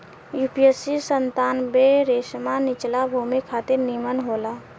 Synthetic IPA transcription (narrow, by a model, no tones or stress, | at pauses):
juːpijesisənt̪aːnbeɾeːsmanɪt͡ʃlabʱuːmikʰaːt̪ɪɾnimənɦoːlaː